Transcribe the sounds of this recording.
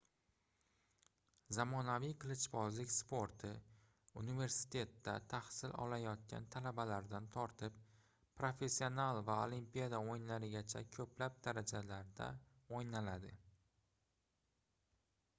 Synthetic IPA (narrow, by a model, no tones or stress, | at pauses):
zamɒnavijqʰlˠɪt͡ʃbɒzlɪkʲspʰo̞ɾt̪ʰɪ | unive̞ɾsɪ̥t̪ʰe̞t̪ːa̰t̪ʰahsɪlɒ̰lajɒt̪̚kʲʰa̰nt̪ʰalabalaɾd̪ant̪ʰɒɾt̪ʰɪp̚ | pɾofe̞sːio̞nalˠvaolˠimpijad̪aojɪnlaɾɪɡʲat͡ʃʰa̰kʲʰɵpʰlap̚d̪aɾad͡ʒalaɾd̪a̰ojnalad̪ɪ